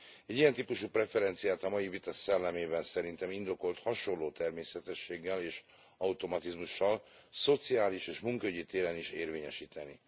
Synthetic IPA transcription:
ɛɟːijɛnt̪iːpuʃuprɛfɛɾɛnt̪sijaːt̪ɒmɒjivit̪ɒsɛlːɛmeːbɛnsɛɾint̪ɛmind̪o̞ko̞lt̪hɒʃo̞nlːoːt̪ɛrmeːsɛt̪ɛʃːeːɡːɛleːʃ | ɒut̪o̞mɒt̪izmuʃːɒl | so̞t̪sijaːliʃeːʃmuŋkøɟit̪eːɾɛniʃeːrveːɲɛʃiːt̪ɛnḭ

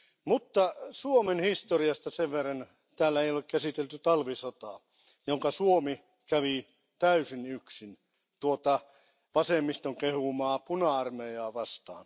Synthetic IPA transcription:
mut̪ːɑsuomenhist̪oriɑst̪ɑseʋʋerːɑn | t̪æːlːæeijolekkæsit̪elt̪yt̪ɑlʋisot̪ɑˑ | joŋkɑsuomi | kæʋi | t̪æysinyksin | t̪uot̪ɑ | ʋɑsemːist̪oŋkehumɑːpunɑɑrmejɑːʋɑst̪ɑ̰ːn

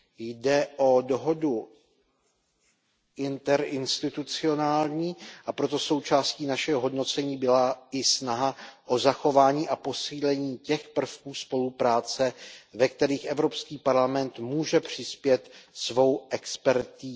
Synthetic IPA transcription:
jdɛʔo̞do̞ɦo̞du | ʔɪnt̪ɛɾɪnst̪ɪt̪ut͡sɪo̞naːlɲiːʔapɾo̞t̪o̞so̞wt͡ʃaːsciːnaʃɛɦoɦo̞dno̞t͡sɛɲiːbɪlaɪsnaɦaʔo̞zaxo̞vaːɲiːʔapo̞siːlɛɲiːcɛxpr̩fkuːspo̞lupɾaːt͡sɛvɛk̚t̪ɛɾiːxʔɛvɾo̞pskiːpaɾlamɛnt̪muːʒɛpr̥ɪspjɛt̪svo̞wʔɛkspɛɾt̪iː

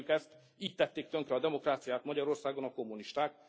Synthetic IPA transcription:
ukɛst̪ | iːt̪ːɛt̪ːeːkt̪øŋkɾɛɒd̪ɛmo̞kraːt̪sijaːt̪mɒɟɒɾo̞rsaːɡonɒko̞mːuniʃt̪aːk

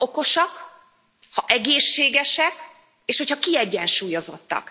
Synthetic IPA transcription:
oko̞ʃɒk | hɒʔɛɡeːʃːeːɡɛʃɛk | eːʃhochɒkiɛɟːɛnʃuːjo̞zo̞̰t̪ːɒ̰k

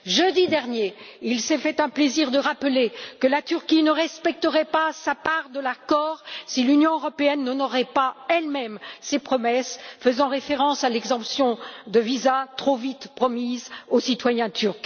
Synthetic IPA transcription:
ʒød̪id̪ɛʁnje | ilsɛfɛt̪ɛ̃pleziʁd̪əʁaplekəlat̪yʁkʲinəʁɛspɛk̚t̪əʁɛpasapaʁd̪əlakɔʁsilynjɔ̃øʁɔpeɛnːɔnɔʁɛpaɛlmɛmsepχɔmɛsfəzɑ̃ʁefeʁɑ̃salɛɡzɑ̃psjɔ̃d̪əvizat̪χovit̪pχɔmizosit̪wajɛ̃t̪yʁk

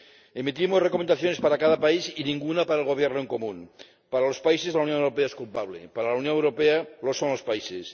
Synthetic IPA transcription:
emit̪imosrekomend̪aθjone̞spaɾakaðapaisinĩŋɡunapaɾaelɣo̞β̞jeɾnoeŋko̞mũn | paɾalospaisezlawnjonewɾopeaeskulpaβlḛpaɾalawnjonewɾo̞pealo̞sõ̞nlo̞spaises

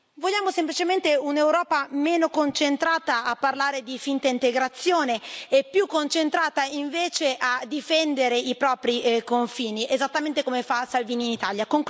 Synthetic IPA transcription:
volːaːmosemplit͡ʃement̪eunewɾɔːpameːnokont͡ʃent̪ɾaːt̪aːpːarlaːɾed̪ifint̪aint̪eɡɾat̪sːjoːneːpːjukːont͡ʃent̪ɾaːt̪aiɱveːt͡ʃeʔad̪ifɛnd̪eɾeipɾɔːpɾikoɱfiːniezat̪ːament̪ekomefasalviːniːnit̪aːljakoŋk

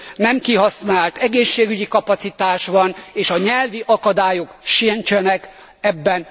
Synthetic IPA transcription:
nɛmkiɦɒsnaːlt̪ɛɡeːʃːeːɡyɟikɒpɒt̪sit̪aːʃʋɒneːʃɒɲɛlviʔɒkɒd̪aːjo̞kʃint͡ʃɛnɛk | ɛbːɛn

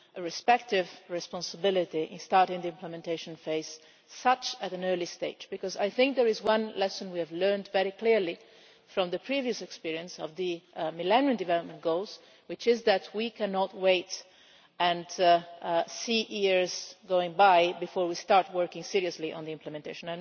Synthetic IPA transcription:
əɹɛspɛk̚tɪvɹɛspɔ̃nsəbɪlɪtiʔɪ̰̃nstɑɹɾɪ̃ŋd̪iɪ̃mpləmɛ̃nteɪʃɔ̃nfeɪz | sʌt͡ʃætæ̃nɜɹlist̪eɪd͡ʒbikɔza̰jθɪ̃ŋk̚d̪əɹɪzwʌ̃nlɛsə̃nwiævlɜ˞ntvɛɹikliɹli | fɹɔ̃mðəpʰɹiviɨsɛkspiɹiə̃nsɔvðɨmilɛnjɨ̃ndɨvɛlɔp̚mɛ̃nt̚ɡoʊlz | wɪt͡ʃɪzðætʰwikʰɛnɔtweɪt | ɛ̃nd | siʔiɹzɡoɪ̃ŋbajbifɔːɹwist̪ɑɹt̚wɜɹkɪ̃ŋsiɹiəsliʔɔ̰̃nd̪iɪ̃mpləmɛ̃nteɪʃɔ̃na

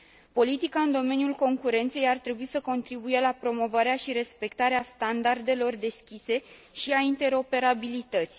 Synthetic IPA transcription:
po̞lit̪ikaɨnd̪o̞me̞njulko̞ŋkuɾe̞nt̪se̞jart̪ɾe̞buisəko̞nt̪ɾibuje̞lapɾo̞mo̞vaɾeaʃiɾe̞spe̞kt̪aɾeast̪and̪ard̪e̞lo̞rd̪e̞skʲise̞ʃiaint̪e̞ɾo̞pe̞ɾabilit̪ət̪sʲ

